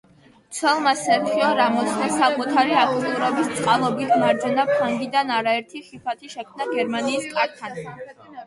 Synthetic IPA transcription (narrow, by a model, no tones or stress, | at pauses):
t̪sʰwɛlˠmasɛɾχiɔɾamɔt̪sʰnasakʼut̪ʰaɾiakʰt̪t̪ʼuɾɔbist̪sʼqʼalˠɔbit̪ʰmaɾd͡ʒɛnapʰaŋɡid̪anaɾaɛɾt̪ʰiχipʰat̪ʰiʃɛkʰmnaɡɛɾmaniːskʼaɾt̪ʰan